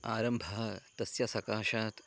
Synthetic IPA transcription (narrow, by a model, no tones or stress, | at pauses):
aːɾɐmbʱɐɦɐt̪ɐsjɐsɐkaːʃaːt̪